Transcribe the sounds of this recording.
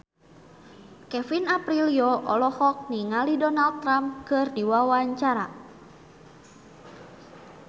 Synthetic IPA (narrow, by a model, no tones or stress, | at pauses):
kɛfinapɾiliɔʔɔlɔhɔk̚niŋalidɔnald̪̚t̪ːɾamkɨrdiwawaɲt͡ʃaɾa